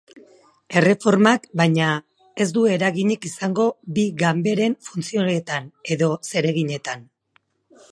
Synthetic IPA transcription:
e̞re̞fo̞ɾmakbajɲa | e̞zd̪ue̞ɾaɣiɲekisaŋɡo̞biɣambe̞ɾe̞ɱfunt͡sioet̪ane̞ðo̞se̞ɾe̞ɣiɲe̞t̪an

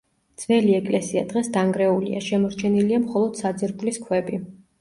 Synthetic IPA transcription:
d̪z̥vɛliɛkʼlɛsia̰d̪̥ʁɛsd̪aŋɡɾɛulḭa̰ʃɛmɔɾt͡ʃʰɛniliamχɔlˠɔd̪̥sad̪zɛɾpʼliskʰwɛbi

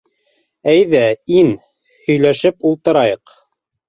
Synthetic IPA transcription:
æjðæin | hɵ̆jlæʃɘpulˠt̪ɤ̆ɾɑjɤq

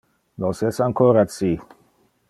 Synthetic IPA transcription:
nosɛsaŋkoːɾat͡si

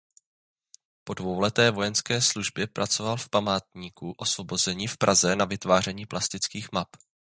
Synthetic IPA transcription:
po̞dvo̞wlɛt̪ɛːvo̞jɛnskɛːsluʒbjɛpɾʔat͡so̞valfpamaːt̪ɲiːkuʔo̞svo̞bo̞zɛɲiːfpɾʔazɛnavɪt̪vaːrɛɲiːplʔast̪ɪt͡skiːxmap

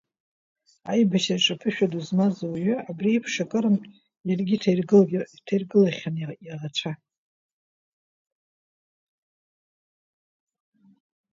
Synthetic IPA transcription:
ajbaʃaʈ͡ʂʼapʰɨʃᶣaduzmazowɥʏabriːpʰʂakʼɨɾɨm | jarɡʲitʰarɡtʰajrɡɨlaχʲanirat͡ʃʷʰa

